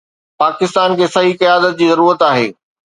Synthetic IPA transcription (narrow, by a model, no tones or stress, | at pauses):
paːkɪst̪aːnkʰeːsɐɦikɐjaːd̪ət̪̚d͡ʑiːzɐɾuːɾət̪aːɦḛː